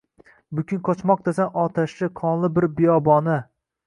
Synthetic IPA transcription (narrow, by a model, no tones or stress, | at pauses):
bʊkʲʰɪnkʰɒt͡ʃmɒq̚t̪asanɒt̪ʰaʃɪqʰɒnlˠɪbɪɾbɪjɒbɒnɪ